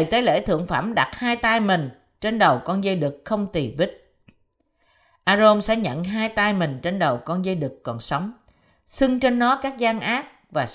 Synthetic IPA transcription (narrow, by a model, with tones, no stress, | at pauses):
jt̪e˨˦lḛ˧˥t̪ʰɨ̰˧˨əŋfa̰˧˥˩mɗa˨˩t̚haː˧jt̪a˧jmï˨˩ŋ̟ | t͡ɕe˧nɗə˨˩wkɔ˧nzə˧jɗɨ˨˩k̚xə˧wŋ͡mt̪i˨˩vi˦˥k̚ | ʔaː˧zo˧msɛ̰˧˥ɲə̰˧˨nɦaː˧jt̪aː˧jmï˨˩ŋ̟t͡ɕe˧nɗə˨˩wkɔ˧nzə˧jɗɨ˨˩kːɔ˨˩nsə˨˦wŋ͡m | sɨ˧ŋt͡ɕe˧nːɔ˨˦kaː˦˥k̚zaː˧ŋʔaː˦˥k̚ | vaː˨˩